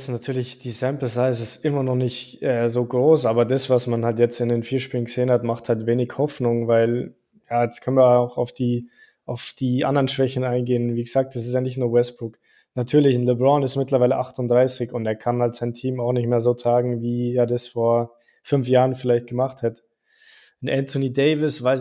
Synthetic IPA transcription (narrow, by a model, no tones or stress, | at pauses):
snatʰyːɐlɪçd̥iːsɛmpləsaɪzɪstʔɪmɐnɔχnɪçtʔɛːzoːɡʁoːsʔaːbɐdasv̥asmanhaltjɛt͡stɪndeːnfiːɐʃpiːlən̩ɡəz̥eːənhatmaχthaltveːnɪçhɔfnʊŋvaɪl | jaːjɛt͡skʰœnviːɐaʊxaʊfd̥iː | ʔaʊfd̥iːʔa̰ndɐʁənʃv̥ɛçn̩aɪnɡeːənviːɡəz̥aːk̚td̥as̬ɪs̬tjaːnɪçtnuːɐwɛsb̥ʁʊk | natʰyːɐlɪçn̩lɪbʁɔnɪstmɪtlɐvaɪləʔaχtʊndʁaɪsɪçʊnteːɐkʰanhaltz̥aɪntʰiːmaʊxnɪçtmeːɐzoːtʰʁ̥aːɡŋ̩viːeːɐdasfoːɐ | fʏnfjaːʁənfɪlaɪçt̚ɡ̥əmaχthɛtə̥ | n̩ʔɛntʰʊniːdeɪvɪsv̥aɪs